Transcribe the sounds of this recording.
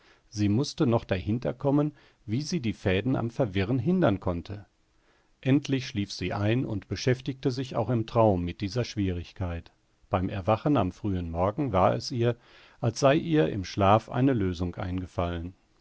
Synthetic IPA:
ziːmʊstənɔχd̥ahɪntɐkʰɔmən | viːziːdiːfɛːdn̩a̰mfɛɐvɪʁənɦɪndɐnkʰɔntʰə | ʔɛntʰlɪçʃliːfz̥iːʔaɪnʊntb̥əʃɛftɪçtəzɪça̰ʊxɪmtʁ̥aʊmːɪt̚d̥iːzɐʃv̥iːʁɪçkʰaɪt | b̥aɪmʔɛɐvaχəna̰mfʁ̥yːənmɔɐɡŋ̩vaːɐɛsʔiːɐ | ʔalsz̥aɪʔiːɐɪ̰mʃlaːfʔa̰ɪnəløːzʊŋkʔa̰ɪnɡəfalən

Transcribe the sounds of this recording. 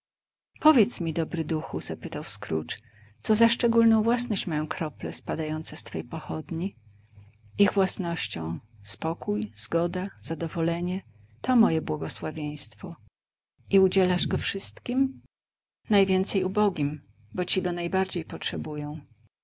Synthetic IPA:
pɔvʲjɛt̪smʲid̪ɔbɾɘd̪uxuzapɘt̪awskɾṵt͡ʂ | t̪sɔzaʂt͡ʂɛɡulnɔ̃w̃vwasnɔɕt͡ɕmajɔ̃w̃kɾɔplɛspad̪ajɔnt̪sɛst̪fɛjpɔxɔd̪ɲi | iɣvwasnɔɕt͡ɕɔ̃w̃spɔkujz̥ɡɔd̪az̥ad̪ɔvɔlɛɲɛ | t̪ɔmɔjɛbwɔɡɔswavʲjej̃st̪fɔ | iud͡ʑɛlaʐɡɔfʂɘst̪kʲim | najvʲjɛnt̪sɛjubɔɡʲim | bɔt͡ɕiɡɔnajbaɾd͡ʑejpɔtʂɛbujɔ̃w̃

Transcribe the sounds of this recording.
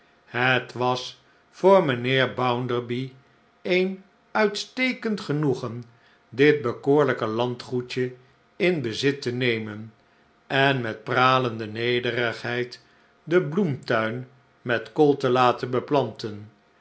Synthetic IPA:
hətʋɑs | fʊːɹməneːɹbawndəɹbi | ejn | œɥtstejkəntχənuχən | dɪt̚bəkʊːɹləkəlɑntχut͡ʃə | ɪnbəzɪtənejmən | ɛnmɛt̚praːləndənejdərəχɦɛjt | dəblumtœɥn | mɛtkolˠtəlaːtənbəplɑntən

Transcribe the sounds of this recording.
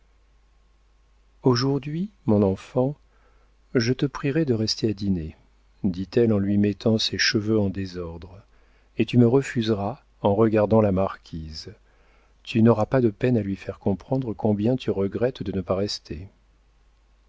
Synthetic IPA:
oʒuʁd̪ɥimɔ̃nɑ̃fɑ̃ | ʒət̪əpχiʁɛd̪əʁɛst̪ʰead̪ine | d̪it̪ɛlɑ̃lɥimɛt̪ʰɑ̃sɛʃəvøɑ̃d̪ezɔʁd̪ʁ | et̪yməʁəfyzʁa | ɑ̃ʁəɡaʁd̪ɑ̃lamaʁkʲʰiz | t̪ynɔʁapad̪əpɛnalɥifɛʁkɔ̃pχɑ̃d̪ʁəkʰɔ̃bjɛ̃t̪yʁəɡʁɛt̪d̪ənəpaʁɛst̪ʰe

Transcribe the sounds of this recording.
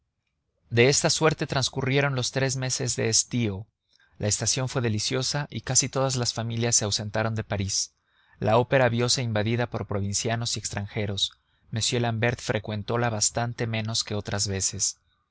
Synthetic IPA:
d̪e̞e̞st̪aswe̞ɾt̪e̞t̪ɾanskurje̞ɾo̞nlo̞st̪ɾe̞zme̞se̞zðe̞̰ːst̪io̞ | lae̞st̪asjo̞ɱfwe̞ðe̞lisjo̞saʔikasit̪o̞ðazlasfamiljasːe̞awse̞nt̪aɾo̞nd̪e̞paɾis | lao̞pe̞ɾaβjo̞se̞imbaðiðapo̞ɾpɾo̞β̞insjano̞sie̞kst̪ɾaŋxe̞ɾo̞s | me̞sjelambe̞ɾt̪fɾʔe̞kwe̞nt̪o̞laβast̪ant̪e̞mẽ̞no̞ske̞o̞t̪ɾazβe̞se̞s

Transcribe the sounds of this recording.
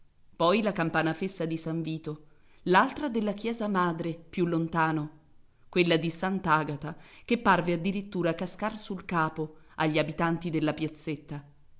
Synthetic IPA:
pɔjlakampaːnafesːad̪isaɱviːt̪o | lalt̪ɾad̪elːak̟jɛːzamaːd̪ɾepjulːont̪aːno | kwelːad̪isant̪aːɡat̪akepːarvead̪ːiɾit̪ːuːɾakːaskarsulkaːpo | aʎːiabit̪ant̪id̪elːapjat̪sːet̪ːa

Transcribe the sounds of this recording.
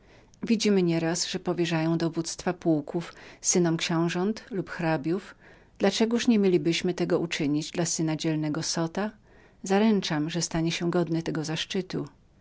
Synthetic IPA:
vʲid͡ʑimɘɲɛɾasʐ̥ɛpɔvʲjɛʐajɔ̃w̃d̪ɔvut̪st̪fapuwkufsɘnɔmkɕɛ̃w̃ʐɔnt̪lupxɾabʲjuf | d̪̥lat͡ʂɛɡuʂɲɛmʲjelʲibɘɕmɘt̪ɛɡɔʔut͡ʂɘɲid͡ʑd̪lasɘn̪ad͡ʑɛlnɛɡɔsɔt̪a | zaɾɛnt͡ʂamʐɛst̪aɲɛɕɛɡɔd̪nɘt̪ɛɡɔzaʂt͡ʂɘt̪ṵ

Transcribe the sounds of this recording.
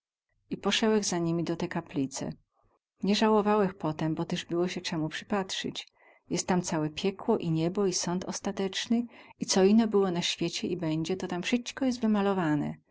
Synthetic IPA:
ipɔʂɛwɛɣzaɲimʲid̪ɔt̪ɛkaplʲit̪sɛ̰ | ɲɛʐawɔvawɛxpɔt̪ɛmbɔt̪ɛʐbɘwɔɕɛt͡ʂɛmupʂɘ̥patʂɘ̰t͡ɕ | jɛst̪ːamt̪sawɛpʲjɛkwɔʔiɲɛbɔisɔnt̪ɔ̰st̪at̪ɛt͡ʂnɘit̪sɔinːɔbɘwɔnaɕfʲjet͡ɕɛʔibɛɲd͡ʑɛt̪ɔt̪amfʂɘt͡ʃkɔjɛs̬t̪vɘmalɔvanɛ̰

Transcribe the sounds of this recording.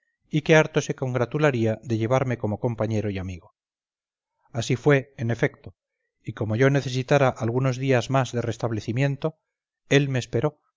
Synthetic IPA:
ike̞aɾt̪o̞se̞ko̞ŋɡɾat̪ulaɾiaðe̞ʎe̞β̞aɾme̞ko̞mo̞ko̞mpaɲe̞ɾo̞iamiɣo̞ | asifwe̞ene̞fe̞k̚t̪o | iko̞mo̞ʝo̞ne̞θe̞s̬it̪aɾaʔalɣuno̞zðiazmazðe̞re̞st̪aβle̞θimjẽ̞nt̪o̞ | e̞lme̞ːspe̞ɾo̞

